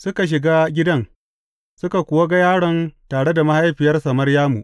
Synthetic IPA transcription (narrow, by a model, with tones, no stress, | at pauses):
sʊ˦ka˨ʃ̬ɪ˨ɡaː˦ɡʲɪ˦dɐ˦ŋ | sʊ˦ka˨kʷʊ˨wa˦ɡa˦jaː˦ɽɔ˨ntaː˨ɽe˦da˨ma˦ha˦jɸɪ˨jɐ˦rsɐ˨mɐ˦rjaː˦mu˨ʔ